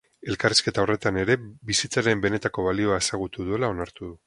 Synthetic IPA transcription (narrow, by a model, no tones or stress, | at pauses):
e̞lkariske̞t̪ao̞ret̪ane̞ɾe̞bisit͡saɾe̞mbe̞ne̞t̪ako̞βalio̞ae̞saɣ̞ut̪uðue̞lao̞naɾt̪uðu